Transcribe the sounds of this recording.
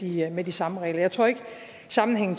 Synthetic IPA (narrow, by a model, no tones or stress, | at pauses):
imed̥isɑ̈məʁɛ̰ːlɐjɑ̈ɪt͡sʰʁo̝ɐ̰e̝ɡ̥ | sɑ̈mn̩ɦeŋ̰n̩